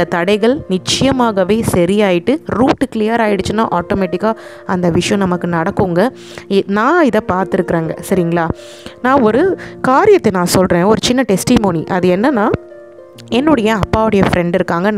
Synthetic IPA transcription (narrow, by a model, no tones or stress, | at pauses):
d̪ɐt̪ɐɽɐɪɣɐɭnɪt͡ʃːɪjɐmaːɣɐʋeːsɐɾɪjaːjɪʈːɯɾuːʈːɯkɪlɪjɐɾaːjɪɽɯt͡ʃːɯnːa̰ːʔaːʈoːmeːʈːɪkːaː | ɐnd̪ɐʋɪʂɐjɔ̃nɐmɐkːɯnɐɽɐkːɯŋɡɐ | ɪnãːɪðɐpaːɾt̪ɪɾɯkːɪɾeːŋɡɐsɐɾɪŋɡɐɭaː | nãːɔɾɯkaːɾɪjɐt̪ːenãːsɔlɾẽːɔɾɯt͡ʃɪnːɐʈɛsʈɪmoːniʔɐðɯɛnːɐnãː | ɛnːɔɽɐjɐɐpːaːʋɯɽɐjɐfɾɛɳɖɪɾɯkːaːŋɡɐ